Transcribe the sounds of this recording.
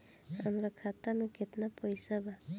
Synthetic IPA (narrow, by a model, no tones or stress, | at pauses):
amɾakʰat̪amɔkʰet̪napɔjsaba